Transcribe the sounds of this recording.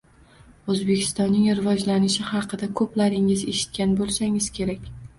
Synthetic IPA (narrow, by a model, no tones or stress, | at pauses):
ɵzbekʲʰɪ̥st̪ɒnːɪŋɾɪvɒd͡ʒlanɪʃɪhɑqʰɨd̪akʰɵplaɾɪŋɪze̞ʃɪ̥t̪̚kʲanbolˠsaŋɪz̥kʲʰe̞ɾakʲ